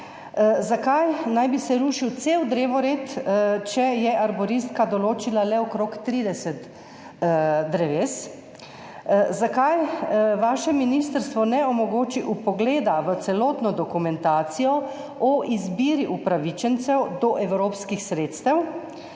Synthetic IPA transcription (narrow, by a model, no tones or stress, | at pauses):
zakajnajbisɛɾuːʃiwt̪seːwd̪ɾeːʋɔɾeːt̪t͡ʃɛjɛʔaɾbɔɾist̪kad̪ɔloːt͡ʃilalɛɔkɾokt̪ɾiːd̪ɛsɛt̪ | d̪ɾɛʋeːs | zakajʋaːʃɛminist̪əɾst̪ʋɔnɛɔmɔɡoːt͡ʃiʔupɔɡleːd̪aʋət̪sɛloːt̪nɔd̪ɔkumɛnt̪aːt̪sijɔ | ɔʔizbiːɾiʔupɾaʋit͡ʃɛnt̪sɛwd̪ɔʔɛwɾoːpskixsɾeːt̪st̪ɛw